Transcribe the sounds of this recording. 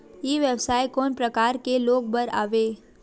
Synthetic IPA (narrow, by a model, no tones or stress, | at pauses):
jeːʋjəbsaːjkoːnpɾɐkaːɾkeloːɡ̚bəɾa̰ːʋeː